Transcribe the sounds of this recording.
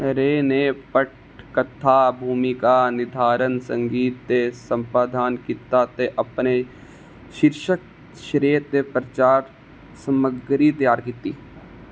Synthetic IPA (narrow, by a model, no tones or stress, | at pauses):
ɾeːneːpəʈ | kət̪ʰːaːbʱuːmikanɪd̪ʱaːɾənsə̃ŋɡiːt̪ːesə̃mpaːd̪ʱaːnkɪt̪ːat̪eʔəpne | ʃɪɾʃək̚ | ʃɾeːt̪epɾət͡ʃaːɾ | səməɡɾit̪əjaːɾkiːt̪ːiː